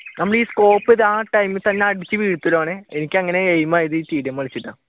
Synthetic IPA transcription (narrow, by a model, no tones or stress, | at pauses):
nɐmːɐɭiːsko̞ːpːiðɨaːʈɐjmɨt̪ɐnːeɐɽit͡ɕːɨʋiːɽut̪ːuloːɳeenikʲːɨɐŋːɐne̞ejmaːjiðɨiːt̪iːɽjɐmʋɐɭit͡ɕːiʈːɐ